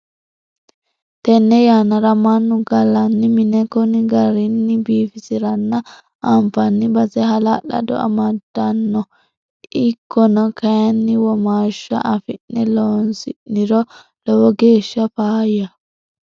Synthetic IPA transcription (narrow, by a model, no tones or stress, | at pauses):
t̪ɛnːɛjaːnɐɾɐmɐnːʊɡɐlɐnːɪmɪnɛkɔnɪɡɐɾɪnːɪbiːfɪsɪɾɐnːɐ | ɐmfɐnːɪbɐzɛɦɐlalɐ̰d̪ɔ̰ɐ̰mɐd̪̥ːɐnːɔ | ɪkːɔnɐkɐjɐnːɪwɔmaːʃːɐ̰ʔɐfɪnːɛloːnsɪnːɪɾɔ | lɔwɔɡe̞ːʃːɐfaːjɐ